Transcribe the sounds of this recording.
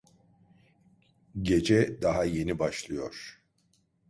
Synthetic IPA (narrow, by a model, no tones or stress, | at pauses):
ɟe̞d͡ʒɛd̪aɦaje̞nibaʃlˠɯjo̞ɾ̥